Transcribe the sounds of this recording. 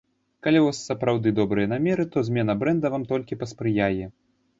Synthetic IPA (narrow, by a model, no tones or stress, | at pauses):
kalʲivasːɐpɾawd̪ɨd̪ɔbɾɨjɐnamʲɛɾɨt̪ɔzʲmʲɛnɐbɾɛnd̪ɐvamt̪ɔlʲkʲipɐspɾɨjajɛ